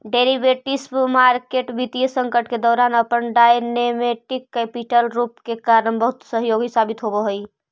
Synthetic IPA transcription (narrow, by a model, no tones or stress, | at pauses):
ɖeɾibeʈismaɾkeʈbit̪ijəsə̃ŋkəʈked̪ɔːɾanəpənɖajnemeʈikːɛpiʈəlɾupkekaɾənbəɦut̪səɦjoɡisabit̪ɦobeɦoj